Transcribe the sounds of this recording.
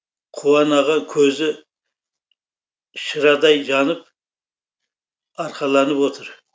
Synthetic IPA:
qʰuwɑnɑʁɑŋkʲʰɵzɪ | ʃəɾɑd̪ɑjʒɑnəp̚ | ɑɾqʰɑlˠɑnəpwot̪ʰəɾ

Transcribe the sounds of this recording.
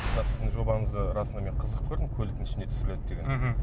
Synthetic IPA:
lɑsɪ̥d̪ɪŋʒo̞bɑɴəzd̪əɾɑsənɑme̞ɴqʰəzəq̚kʲʰɵɾd̪ɪmkʲʰɵlɪkt̪ɪnɪʃɪnet̪ʰsɪɾɪled̪̚d̪eɡʲen

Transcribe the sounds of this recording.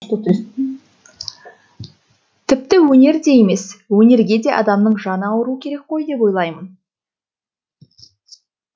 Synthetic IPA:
t̪ət̪ | t̪ʰɪp̚t̪ɪwɵne̞ɾd̪e̞je̞me̞swɵne̞ɾɡʲe̞d̪e̞ʔɑ̰d̪ɑmnəɴʒɑnəɑwəɾuəkʲʰe̞ɾe̞k̚qo̞jd̪e̞po̞jlˠɑjmən

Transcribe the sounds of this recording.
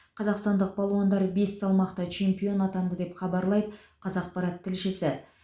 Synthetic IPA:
qʰɑzɑqst̪ɑnd̪əq̚bɑlˠwɑnd̪ɑɾbe̞sːɑlˠmɑqt̪ɑt͡ʃʰe̞mpijo̞nɑt̪ɑnd̪əd̪e̞pχɑbɑɾlˠɑjd̪ə | qʰɑzɑq̚pɑɾɑt̪ʰːɪlʃɪsɪ

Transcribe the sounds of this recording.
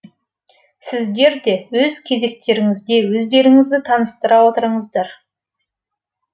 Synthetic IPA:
sɪzd̪e̞ɾd̪e̞wɵzkʲʰe̞ze̞kt̪e̞ɾɪŋɪzd̪e̞wɵzd̪e̞ɾɪŋɪzd̪ɪt̪ʰɑnəst̪əɾɑwo̞t̪əɾəɴəzd̪ɑɾ

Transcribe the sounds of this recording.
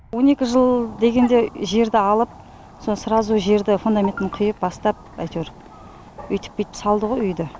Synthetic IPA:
wo̞ne̞kʲɪʒəlˠd̪e̞ɡʲe̞nd̪e̞ʒe̞ɾd̪ɪɑlˠəp̚ | so̞nsəɾɑzuʒe̞ɾd̪ɪfund̪amʲe̞nt̪ɪɴqʰʊjəp̚bɑst̪ɑp̚ɑ̰jt̪weɾ | ʏjt̪ɪ̥p̚kʲejt̪ɪ̥psɑlˠd̪əʁo̞jʏjd̪ɪ

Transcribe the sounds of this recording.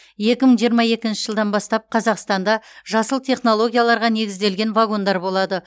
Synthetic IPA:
je̞kʲɪməɴʒijəɾmɑje̞kʲɪnʃɪ̥ʒəlˠd̪ɑnbɑst̪ɑp̚qʰɑzɑqst̪ɑnd̪ɑʒɑsəlˠt̪ʰʲe̞χno̞lˠo̞ɡʲijalˠɑɾʁɑne̞ɡʲɪzd̪e̞lɡʲe̞nvaɡo̞nd̪ɑɾbo̞lˠɑd̪ə

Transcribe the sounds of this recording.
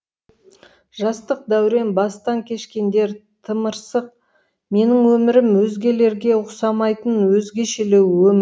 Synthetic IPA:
ʒɑst̪əq̚d̪æwɾe̞nbɑst̪ɑŋkʲʰe̞ʃkʲe̞nd̪e̞ɾ | t̪ʰəməɾsəq̚ | me̞nɪŋwɵmɪɾɪmwɵzɡʲe̞le̞ɾɡʲe̞ʊsɑmɑjt̪ənwɵzɡʲe̞ʃelewwɵmɪ

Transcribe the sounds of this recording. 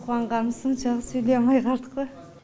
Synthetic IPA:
qwɑɴʁɑnəsənʃɑʁəsɵjlemɑjqʰɑɾt̪ə̥qbə

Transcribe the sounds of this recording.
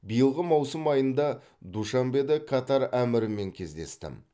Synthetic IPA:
bijəlˠʁəmɑwsəmɑjənd̪ɑ | d̪uʃɑmbe̞d̪ɪkʰɑt̪ɑɾæmɪɾɪmːe̞ŋkʲʰe̞zd̪e̞̰st̪ɪ̰m

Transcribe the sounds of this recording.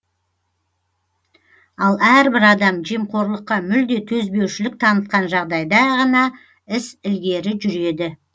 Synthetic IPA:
ɑlˠæɾbɪɾɑd̪ɑmʒemqʰo̞ɾlˠəqːɑmʏld̪e̞t̪ʰɵzbe̞wʃɪlɪk̚t̪ʰɑnət̪̚qɑnʒɑʁd̪ɑjd̪ɑʁɑnɑ | ɪsɪlɡʲe̞ɾɪʒʏɾe̞d̪ɪ

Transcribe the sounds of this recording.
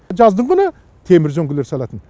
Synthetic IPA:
d͡ʒɑzd̪əɴʁənə | t̪ʰe̞mɪɾʒoŋɡʲɪle̞ɾsɑlˠɑt̪ən

